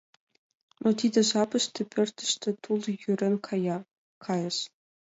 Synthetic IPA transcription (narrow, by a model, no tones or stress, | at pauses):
not̪ʲid̪ʲɘ̆zɑbɘ̆ʃt̪ʲɘ̆pʰʲɘ̆rʲt̪ʲɘ̥̆ʃt̪ʲɘ̆t̪ulˠjyrʲɘ̆nʲkʰɑjɑ | kʰɑjɤ̆ʃ